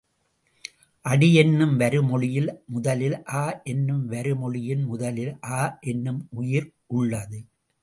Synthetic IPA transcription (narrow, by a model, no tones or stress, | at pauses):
ʔɐɽɪjɛnːɯmʋɐɾɯmɔɭɪjɪlmʊðɐlɪlʔaːʔɛnːɯmʋɐɾɯmɔɭɪjɪnmʊðɐlɪlʔaːʔɛnːɯmʔʊjɪɾ | ʔʊɭːɐðɯ